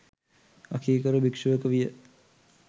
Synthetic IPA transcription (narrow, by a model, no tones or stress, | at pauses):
akʰiːkəɾubikʂuʋəkəʋijə